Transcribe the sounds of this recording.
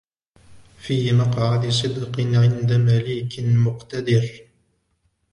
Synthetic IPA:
fiːmɑqʕad̪s̬ˤɨd̪qɨʕɪnd̪amaliːkmʊqt̪ad̪ɪɾ

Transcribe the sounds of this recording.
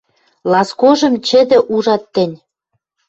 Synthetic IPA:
lɑskoʒɤ̆mt͡ɕɘ̆d̪ɘ̆ʔuʒɑt̪ːɘ̆nʲ

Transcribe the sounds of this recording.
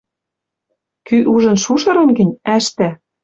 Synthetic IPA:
kyʔuʒɤ̆nʃuʃɤ̆ɾɤ̆nɡɘ̆nʲæʃt̪æ

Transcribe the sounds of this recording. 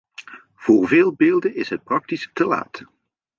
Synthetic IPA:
v̥ʊːrveːlˠbeːlˠdənɪsɦət̚prɑk̚tistəla̰ːt

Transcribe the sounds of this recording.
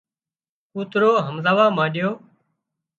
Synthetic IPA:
uːt̪ɾoːɦəmzaːʋaːmãːɗɪjoː

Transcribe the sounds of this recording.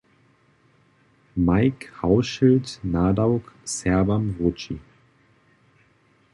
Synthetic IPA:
maɪkhaʊʃɪltnaːdaʊksɛɐbamvot͡ʃi

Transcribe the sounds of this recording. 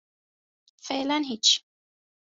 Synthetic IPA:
felanɦit͡ʃ

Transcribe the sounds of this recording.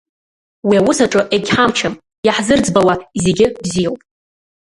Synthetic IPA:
wiawʊsaʈ͡ʂʼɨʔekʲħamt͡ʃʰam | jaħzɨrd͡zbawaze̞ɡʲɪbzijawpʼ

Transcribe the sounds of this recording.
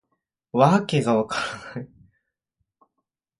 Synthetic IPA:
βakeɡaβakaɾanai

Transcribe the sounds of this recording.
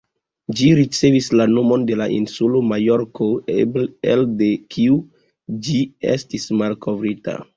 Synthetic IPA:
d͡ʒiɾit͡se̞vislano̞mo̞nde̞laʔḭnsulomajo̞ɾkʰobelde̞kʰiu | d͡ʒiḛstismalko̞vɾita̰

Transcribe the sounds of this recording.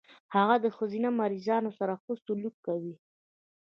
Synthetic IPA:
haɣad̪əxəzinamaɾizɑnosaɾaxəst̪ʊlukːawi

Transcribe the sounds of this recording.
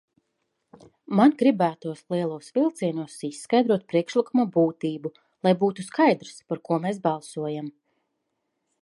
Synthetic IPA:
manɡɾibæːt̪uɔslˠiɛlˠuɔsvilˠt̪siɛnuɔsisːkajd̪ɾuɔt̪̚pɾiɛkʃlˠikumabuːt̪iːbu | lˠajbuːt̪uskajd̪ɾspaɾkuɔmesbɑlˠsuɔjam

